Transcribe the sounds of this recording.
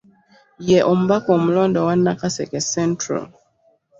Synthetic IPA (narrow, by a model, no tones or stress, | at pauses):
jɛʔɔm̩bakɔm̩lɔndɔwanːakasɛkɛsɛntɾa̰l